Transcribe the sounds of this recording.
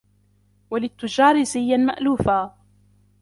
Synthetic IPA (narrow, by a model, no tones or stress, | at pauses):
walɪt̪ːʊd͡ʒɑːɾɪzɪjːama̰ʔluːfaː